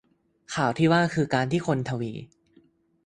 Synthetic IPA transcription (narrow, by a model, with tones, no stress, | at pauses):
kʰaː˨˩wt̪ʰiː˥˩waː˥˩kʰɯː˧kaː˧nt̪ʰiː˥˩kʰo˧nt̪ʰa˧wḭː˧